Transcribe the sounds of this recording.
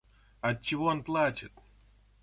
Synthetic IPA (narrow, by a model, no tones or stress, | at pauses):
ɐt̚t͡ɕːɪvoonplˠat͡ɕɪt̪